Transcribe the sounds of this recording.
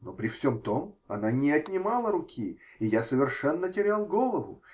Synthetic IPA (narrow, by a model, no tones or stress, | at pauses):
nopɾʲɪfsʲo̞mt̪o̞mɐ̰nanʲɪɐt̪ʲnʲɪmalˠəɾʊkʲʰiɪjasəvʲɪrʂɛnːətʲɪɾʲalˠɡo̞lˠəvʊ̰